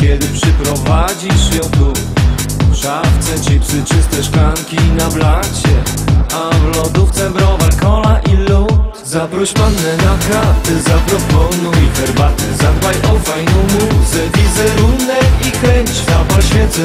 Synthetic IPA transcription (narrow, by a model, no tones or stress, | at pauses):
kʲɛd̪ɘpʂɛpɾɔvad͡ʑiɕfʲjɔt̪u | ʂaft̪sɛt͡ɕɛpʂɘt͡ʂɘst̪ɛʂkaŋkʲinablat͡ɕɛavlɔd̪uft̪sɛmbɾɔvalkɔlaʔilːɔ | zabɾuɕpanːɛnaxat̪ɛzapɾɔpɔnujixɛɾbat̪ɛzad̪bajʔɔfajnɔ̃wmuzɛvʲizɛɾunɛkikɾɛɲt͡ɕt̪abalɕfʲjɛt̪sɛ